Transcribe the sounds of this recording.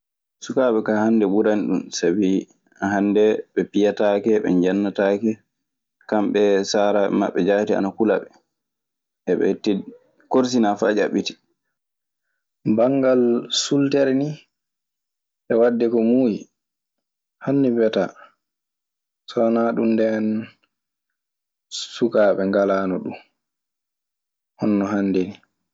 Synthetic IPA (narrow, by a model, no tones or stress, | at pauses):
sukaːɓɛkahandɛɓuɾanɗunsabi | aɦandɛɓɛpijatakɛɓɛɲd͡ʒanːataːkɛ | kamɓɛsaɾaɓɛ̰ma̰ɓːɛd͡ʒaitia̰nakula̰ɓɛ | ʔɛɓɛ̰tːi | koɾs̬inafad͡ʒa̰ɓiti̥ | baŋɡalsultɛɾni | ɓɛwadːɛkɔmuːji | hanːibɛta | sɔnaɗumdɛn | sukaːɓɛŋɡalaːnɔɗum | hɔnːɔɦandeni